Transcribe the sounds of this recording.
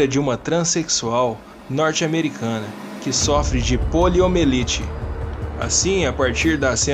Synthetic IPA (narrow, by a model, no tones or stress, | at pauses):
ɐd͡ʒɪũmɐt̪ɾɐ̃seksuaw | nɔɾt͡ʃɪameɾikʰɐ̃nɐkɪsɔfɾɪd͡ʒɪpoliomelit͡ʃɪ | a̰sĩapaɾt͡ʃiɾd̪ɐsẽ